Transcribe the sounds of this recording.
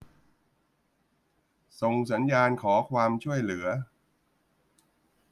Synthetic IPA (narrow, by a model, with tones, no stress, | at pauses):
so˧ŋs̬a˩˦njaː˧nkʰɔː˩˦kʰwaː˧mt͡ɕʰu˥˩əjlɯ˩˦ɐ